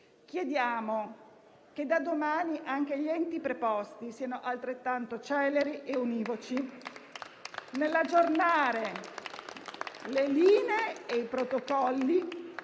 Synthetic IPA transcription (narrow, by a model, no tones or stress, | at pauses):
k̟jed̪jaːmo | ked̪ːad̪omaːniʔaŋk̟eʎɛnt̪ipɾepɔst̪isiːanoʔalt̪ɾet̪ːant̪ot͡ʃɛlːeɾiʔeuniːvot͡ʃi | nelːad͡ʒːornaːɾe | leliːneeeijpɾot̪okɔlːi